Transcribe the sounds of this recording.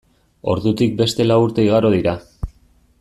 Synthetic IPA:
o̞ɾðut̪ik̚be̞st̪e̞lawuɾt̪e̞iɣ̞aɾo̞ð̞iɾa

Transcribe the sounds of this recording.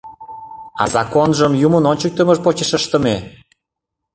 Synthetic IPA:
ɑ̰zɑkonʒəmjumə̆nonʲt͡ɕək̚t̪əməʃpot͡ɕə̆ʃəʃt̪ə̆me

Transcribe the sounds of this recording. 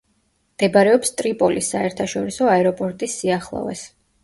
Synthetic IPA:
md̪̥ɛbaɾɛɔpst̪ʼɾipʼɔlisːaɛɾt̪ʰaʃɔɾisɔaɛɾɔpʼɔɾt̪ʼisːiaχlˠɔ̰vɛ̰s

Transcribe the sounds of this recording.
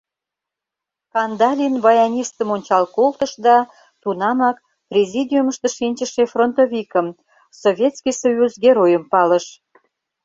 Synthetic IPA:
kɑnd̪ɑlʲinβɑjɑnʲist̪əmonʲt͡ɕɑlkolt̪əʃd̪ɑ | t̪unɑmɑk | prʲezʲid̪ʲiuməʃt̪əʃinʲt͡ɕəʃefront̪ovʲikəm | soβʲjet̪skijsojuzɡʲeɾojəmpɑləʃ

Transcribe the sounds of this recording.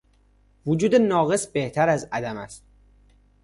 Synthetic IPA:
vud͡ʒuːd̪enɒːɣesbe̞ht̪ʰæɾæzæd̪æmæst̪

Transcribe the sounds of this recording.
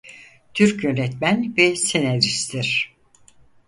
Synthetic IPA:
t̪ʰyɾkjønɛt̪mænvɛsenæɾist̪ʰiɾ̥

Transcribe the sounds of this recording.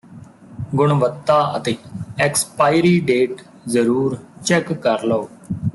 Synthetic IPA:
ɡʊɳʋət̪ːaːə̰t̪eːɛkspaːɪɾiːɖeːʈ | zəɾuːɾt͡ʃɛkːəɾlooː

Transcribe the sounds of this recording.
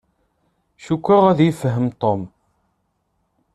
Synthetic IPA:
ʃukʷːəʁæðjifəɦəmt̪ˤom

